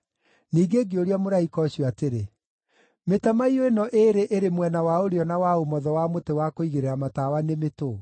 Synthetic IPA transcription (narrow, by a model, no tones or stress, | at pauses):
niːɡeːɡeoɾeamoɾaikɔɕwateɾe | metamaioenɔʔeɾeʔeɾemwɛnawaoɾeɔnawaomɔðɔwamotewakoiɣeɾeɾamatawanemeto